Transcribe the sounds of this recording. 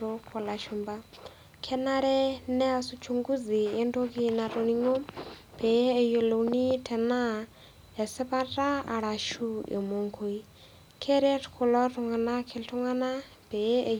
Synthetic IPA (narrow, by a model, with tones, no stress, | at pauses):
ɔ˦kʰɔ˨la˨ʃu˨mba˦ | kʰɛ˦na˦ɾɛ˦nɛ˦a˨su˦t͡ʃʰuŋɡu˦d͡zi˨jɛ˦ndo˦kʼi˦na˨tʼo˨ni˦ŋɔ˦b̥ʰɛ˨˦ɛ˨jo˧lo˨uni˦tʰɛ˨na˦ | ja˨sɛ˦pa˦tʼa˦a̰˨ɺa˨ʃu˦ɛ̰˨mo˨ŋkʰo˨i˦ | kʰɛ˦ɾɛ˦tʰkʰɔ˨lɔ˦tɔ˨ŋa˨na˦kʰɛ˨ltʰɔ˦ŋa˦na˦ | b̥ɛ˨˦˨